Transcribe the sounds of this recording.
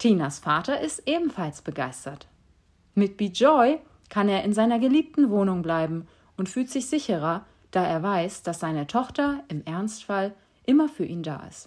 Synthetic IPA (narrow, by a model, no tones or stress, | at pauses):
tʰiːnasfaːtɐʔɪstʔeːbm̩falsb̥əɡaɪstɐt | mɪt̚b̥iːd͡ʒɔʏ | kʰaneːɐʔɪnzaɪnɐɡəliːp̚tn̩voːnʊŋblaɪbm̩ | ʊntfyːltz̥ɪçz̥ɪçəʁɐ | d̥aːʔeːɐvaɪsd̥asz̥aɪnətʰɔχtɐʔɪmʔɛɐnstfal | ʔɪmɐfyːɐʔiːnda̰ːʔɪ̰st